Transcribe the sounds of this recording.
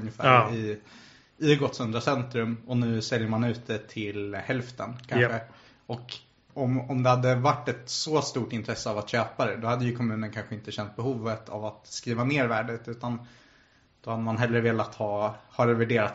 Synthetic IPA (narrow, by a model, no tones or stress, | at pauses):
njɪfæ̰ːɾɪ | ɪɡɔt̪sɵnd̪ɾasɛnt̪ɾɵmɔnʉ̟ːsɛljəɾmanʉ̟ːt̪d̪ɛt̪ʰɪlhɛlft̪ənkʰanɧə | ɔk | ɔmɔmd̪ɛhad̪ːəvaʈːɛt̪sɔst̪uːʈɪnt̪ʰɾɛsːəavat̪ɕøːpad̪ɛd̪ɔhad̪ːəjɵkʰɔmʉ̟ːnənkʰanɧəɪnt̪əɕɛnt̪̚bɛɦuːvət̪ʰa̰vat̪skɾiːvaneːɾvæːɖət̪ʉ̟ːt̪an | d̪̥ɔhad̪ːəmanɦɛlːɾəveːlat̪hɑːhɑɾɛvæɖeːɾat̪